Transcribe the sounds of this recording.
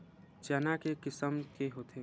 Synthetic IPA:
t͡ʃəːnakekɪsəmkeɦoːt̪ʰe

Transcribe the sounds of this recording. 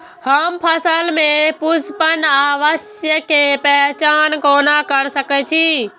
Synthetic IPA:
həmpʰəsəlmẽpʊspənaːʋəʃjəkepɛt͡ʃaːnkoːnakəɽsəkɛt͡ʃʰiː

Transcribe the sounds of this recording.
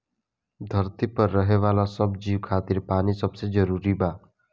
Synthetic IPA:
d̪ʱəɾt̪ipəɾːəɦeʋaːlasəbd͡ʒiːʋkʰaːt̪iɾpaːnisəbsed͡ʒəɾuːɾibaː

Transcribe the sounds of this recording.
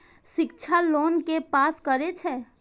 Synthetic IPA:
ʃɪk̚t͡ʃʰaloːnkepaːskəɾet͡ʃʰɛː

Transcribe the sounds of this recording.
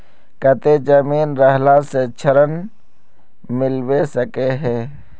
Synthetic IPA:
kət̪ed͡ʒəmiːnɾɐɦlaset͡ʃʰəɾən | mɪlwesɐkeɦɛ̃ː

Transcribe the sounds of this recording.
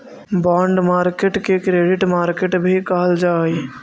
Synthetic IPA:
baːɳɖmaːɾkeʈkekɾeːɖɪʈmaːɾkeʈbʱikɐɦəld͡ʒaːi

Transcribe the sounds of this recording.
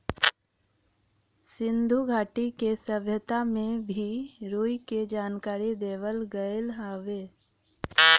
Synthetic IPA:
sɪ̃nd̪ʱuɡʱaːʈikesəbʱjət̪amẽbʱiɾuːiked͡ʒaːnkaːɾid̪eːʋəlɡəjlɦaːʋeː

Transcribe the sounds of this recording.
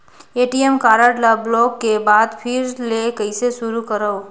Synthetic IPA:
eːʈiemkaːɾəʈləblɔːkːebaːd̪pʰɪɾlekəɪsesʊɾukəɾəo

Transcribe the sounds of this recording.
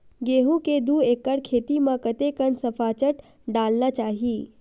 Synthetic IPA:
ɡeːɦũked̪ueːkːəɽkʰeːt̪imãkət̪ekənsəpʰaːt͡ʃəʈ | ɖaːlnat͡ʃaːɦiː

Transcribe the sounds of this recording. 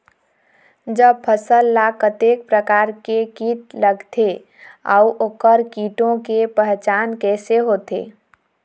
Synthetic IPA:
d͡ʒəb̚pʰəsəlːakət̪ek̚pɾəkaɾkekit̪ləɡt̪ʰe | a̰uʔoːkəɾkiʈõkepəɦt͡ʃankɛseɦot̪ḛ

